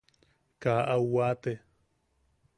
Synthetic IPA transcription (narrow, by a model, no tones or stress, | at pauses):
kaʔawwat̪e